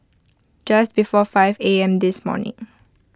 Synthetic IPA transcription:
d͡ʒast̚bifɔfaɪveɛ̃md̪ɪsmɔ̰ːnɪ̰̃ŋ

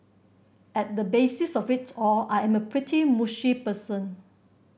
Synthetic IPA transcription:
ɛt̚dəbesisɔfitɔlajɛ̃məpʰɹitʰimuʃipəsə̃n

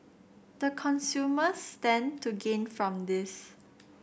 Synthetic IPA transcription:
d̪̥əkʰɔ̃nsjuməstɛ̃ntʰuɡẽnfɹɔ̃mdɪs

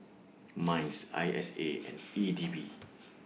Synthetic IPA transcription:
mãj̃nsa̰jʔɛseɛ̰̃nidibi

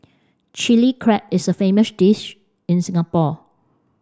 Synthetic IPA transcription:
t͡ʃilikʰɹɛp̚ɪsəfẽməsdiʃ | ɪ̃nsɪ̃ŋapɔ

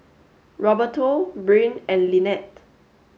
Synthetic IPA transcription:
ɹɔbətʰobɹĩnɛ̃nlinɛt̚

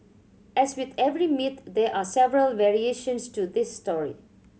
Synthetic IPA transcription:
ɛzwɪd̪ɛvɾimɪt̪d̪eʔaːsɛvɾəlʋɛɾieːʃə̃nsʈud̪ɪsːʈɔːɹḭ

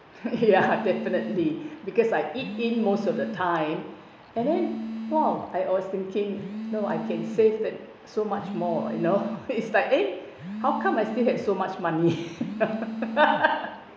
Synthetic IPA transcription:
jadɛfinətlibikɔsajʔit̚ĩnmostɔfdətʰãɪ̃m | ɛ̃ndɛ̃nwɛlaɪɔst̪ɪ̃ŋkɪ̃ŋnoa̰jkʰɛ̃nsevdɛ̃t̚ | somat͡ʃmɔjṵnoitslaɪke | hawkʰãmajstilhɛv̥somat͡ʃmãnino

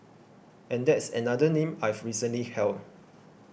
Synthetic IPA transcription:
ʔɛ̃ndɛtsɛ̰̃nadənẽmajvɹisə̃nlihɛld

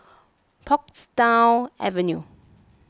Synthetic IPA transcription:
pʰɔkstaɪlʔɛ̰vɛ̃nju

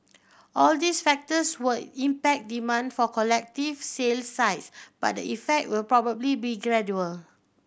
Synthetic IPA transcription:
ʔɔldisfɛk̚təswudĩmpɛk̚dimãndfɔkɔlɛk̚tivselsaɪtsb̥a̰t̚də̰ʔifɛk̚t̚wɪlpɹɔbəblibiɡɹɛdjuəl

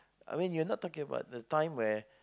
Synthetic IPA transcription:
a̰ɪmĩnjunɔt̚tʰːɔkɪ̃ŋəba̰ʊt̚ðətʰãɪ̃mwɛ

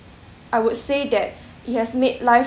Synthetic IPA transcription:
ʔaɪwud̚sedɛt̚ | it̚hɛsmed̚laɪ

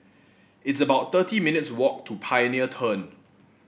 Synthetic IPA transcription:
ɪtsəbaʊt̚t̪ətʰiminɪtswɔk̚tʰupʰajəniətʰə̃n

